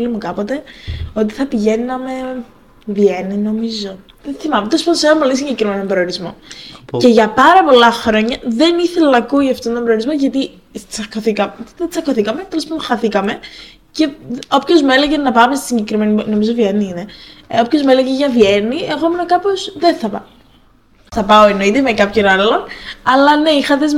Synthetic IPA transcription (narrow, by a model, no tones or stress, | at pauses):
limukɐpo̞t̪e̞o̞t̪̬i̥θɐpiʝe̞ninɐme̞ | vienino̞mizo̞ | ðenθimɐmet̪lspɐðosenɐmpo̞lisiɲɟe̞kɾime̞nompɾioɾizmo̞̰ce̞ʝɐpɐɾɐpo̞lɐxɾo̞ɲɐðe̞niθelɐnɐkuiɐft̪ont̪ombɾooɾizmo̞ʝɐt̪i | t͡sɐkoθikɐmðet͡sɐkoθikɐmet̪elespɐnd̪oxɐθikɐme | ce̞o̞pço̞zmeleʝenɐpɐmest̪i̥siɲɟekɾime̞nino̞mizovieniineopço̞zmeleɣeʝɐvje̞nieɣomenokɐpo̞zðenθɐpɐ | θɐpɐoeno̞it̪emekɐpço̞nalo̞nɐlɐne̞ixɐt̪ez